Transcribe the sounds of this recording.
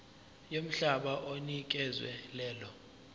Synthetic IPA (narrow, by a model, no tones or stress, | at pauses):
jom̩ɬaɓaʔonik̬ʼɛzwɛ̰lɛːlɔ